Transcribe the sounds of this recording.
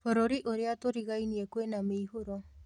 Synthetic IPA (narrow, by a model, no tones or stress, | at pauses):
poɾoɾiʔoɾeat̪oɾiɣajniekwenamiːɦuɾo